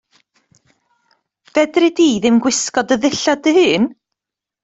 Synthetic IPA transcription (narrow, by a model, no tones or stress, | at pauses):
v̥ɛdrɪdiːðɪmɡwɪskɔdəðɪɬadəhɨːn